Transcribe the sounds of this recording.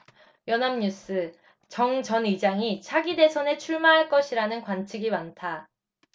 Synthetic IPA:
jʌnamɲus͈ɯ | t͡ɕʌŋt͡ɕʌnid͡ʑaŋit͡ɕʰaɡide̞sʰʌne̞t͡ɕʰuɭmaɦaɭk͈ʌɕʰiɾanɯnkwant͡ɕʰiɡimantʰa

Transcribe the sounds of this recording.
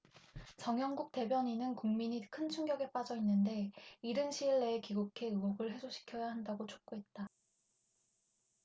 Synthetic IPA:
t͡ɕʌŋɦjʌŋɡuk̚t͈e̞bjʌɲinɯnkuŋmiɲikʰɯnt͡ɕʰuŋɡjʌɡe̞p͈ad͡ʑʌinːɯnde̞iɾɯnɕʰiɭːeːkiɡukʰe̞ɯɡoɡɯɭɦe̞sʰoɕʰi̥kʰjʌjaɦandaɡot͡ɕʰo̥k̚k͈oɦe̞t̚t͈a

